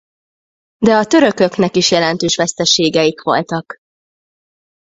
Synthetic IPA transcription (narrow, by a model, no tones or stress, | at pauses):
d̪ɛɒt̪ø̞ɾø̞kø̞knɛkiʃjɛlɛnt̪øːʃʋɛst̪ɛʃeːɡɛjikʋo̞̰lt̪ɒk